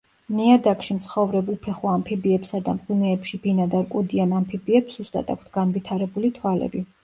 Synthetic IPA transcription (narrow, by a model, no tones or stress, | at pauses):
niad̪akʼʃimt̪sʰχɔvɾɛbulˠpʰɛχuampʰibiɛpsad̪amχinɛːpʃibinad̪aɾkʼud̪ianampʰibiɛpszust̪ʼa̰t̪ʰa̰k̚ʷʰt̪ʰɡ̥anvit̪ʰaɾɛbulit̪ʰwalɛ̰bi